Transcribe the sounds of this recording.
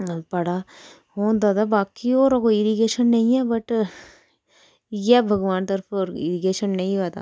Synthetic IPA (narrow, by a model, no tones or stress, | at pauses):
pɐɽaː | hoːnd̪aːd̪abaːkioːɾɐkoɪɾiɡeːʃənːɐĩɛːbɐʈ | jɛbʱɐɡʋaːnt̪ɐɾpʰoːɾɪ̰ɾiɡeːʃənnɐĩʋaːd̪a̰ː